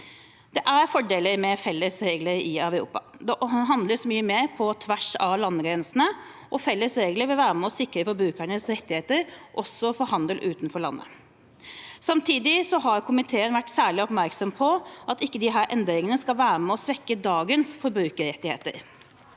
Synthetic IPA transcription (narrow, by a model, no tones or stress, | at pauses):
d̪̥ɛʔæɾfɔɖeːləɾmɛfɛlːəsɾeːɡləɾɪæʋʉɾṵːpɑ | d̪ɛʔɦɑnd̪ləsmyːəmeːɾpʰɔt̪ʰʋæʂɑʋlɑnːəɡɾɛnsn̩ə | ʔɔfɛlːəsɾeːɡləɾʋɪlʋæːɾəmɛɔsɪkɾəfɔɾbɾʉːkəɳəsɾɛt̪ːɪheːt̪əɾʔɔsːɔfɔɾhɑnd̪əlʔʉːt̪nfɔɭɑ̰nːʔə̰ | sɑmt̪ʰiːd̪ɪsɔɦɑɾkʰʊmɪt̪ʰeːənʋæʈːsæːɭɪɔpmæɾksɔmpʰɔʔɑt̪ɪkːəd̪ɪɦæːɾʔɛnd̪ɾɪŋənəskɑlʋæːɾəmɛɔsʋɛkːəd̪ɑːɡənsfɔɾbɾʉːkəɾɛt̪ːɪhḛːt̪ə̰ɾ